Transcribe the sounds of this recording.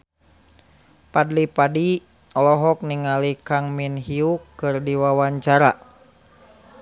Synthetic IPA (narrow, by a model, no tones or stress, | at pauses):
padlipadi | ɔlɔɦɔk̚niŋalikaŋminɦiukːɨrdiwawaɲt͡ʃaɾa